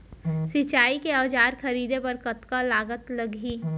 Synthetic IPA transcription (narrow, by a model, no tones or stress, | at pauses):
sɪt͡ʃaːikeaːd͡ʒaːɾxʰɐɾiːd̪epɐɾkɐt̪kalaːɡət̪lɐɡiː